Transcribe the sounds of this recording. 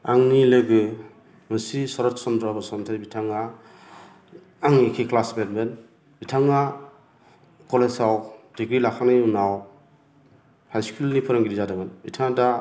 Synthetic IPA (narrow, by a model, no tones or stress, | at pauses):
aŋnilɯɡɯ | mɯsisɔɾɔtsɔndɾɔbɯsɔntʰabitʰaŋa | ŋnikʰiklasbetben | bitʰaŋa | kɔlesawdiɡɾilakʰanɯjunaw | hajskulnipʰɯɾɔŋɡiɾizadabɯnbitʰaŋda